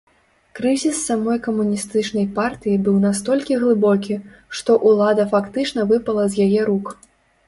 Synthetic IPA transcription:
kɾɨzʲisːamɔjkɐmunʲist̪ɨt͡ʂnɐjpart̪ɨjibɨwnast̪ɔlʲkʲiɣlˠɨbɔkʲiʂt̪ɔʔulˠad̪ɐfakt̪ɨt͡ʂnɐvɨpɐlˠɐzʲjajɛɾuk

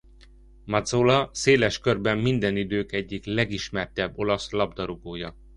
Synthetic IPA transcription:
mɒd̪zoːlɒseːlɛʃkø̞rbɛmːind̪ɛnid̪øːkɛɟːiklɛɡiʃmɛrt̪ɛbːo̞lɒslɒbd̪ɒɾoɡoːjɒ

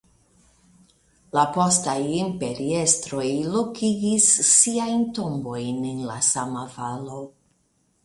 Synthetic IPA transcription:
lapo̞stajimpe̞ɾie̞stɾo̞jlokiɡisːiajntombo̞jnenla̰samavalo̞

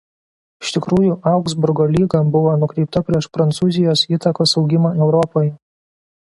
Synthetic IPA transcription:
ɪʃt̪ʲɪkɾuːjuʔɑˑʊɡzbʊɾɡoːlʲiːɡɐmbʊʋoːnʊkɾʲɛɪp̚t̪ɐpʲɾʲiɛʃpɾɐnt̪suːzʲɪjoːsiːt̪ɐkoːsɒʊɡʲɪmɐɛʊɾɔpojɛ

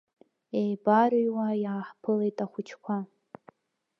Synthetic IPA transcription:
ejbaɾjwajaːħpʰɨle̞jtʼaχʷʊt͡ʃʰkʷʰa

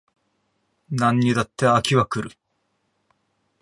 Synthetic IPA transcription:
nãɲːid̪at̪ːeakʲiβakɯ̟ɾɯ̟

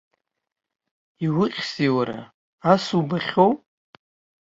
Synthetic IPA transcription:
iwʊqʲsiwaɾa̰ | asubaχʲow

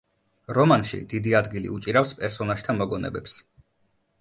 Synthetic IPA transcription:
ɾɔmanʃḭd̪id̪iad̪ɡilḭut͡ʃʼiɾafspʼɛɾsɔnaʒ̥t̪ʰamɔɡɔnɛ̰bɛps

